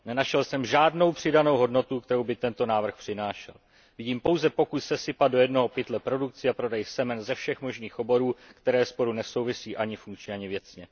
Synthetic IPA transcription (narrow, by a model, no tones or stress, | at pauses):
nɛnaʃɛlsɛmʒaːdno̞wpr̝̥ɪdano̞wɦo̞dno̞t̪ukt̪ɛɾo̞wbɪt̪ɛnt̪o̞naːvr̩xpr̝̥ɪnaːʃɛ̰l | vɪɟiːmpo̞wzɛpo̞kusːɛsɪpadojɛdno̞ɦo̞pɪt̪lɛpɾo̞dukt͡sɪapɾo̞dɛjsɛmɛnzɛfʃɛxmo̞ʒniːxʔo̞bo̞ɾuːkt̪ɛɾɛːspo̞ɾunɛso̞wvɪsiːʔaɲɪfuŋkt͡ʃɲɛaɲɪvjɛt͡sɲɛ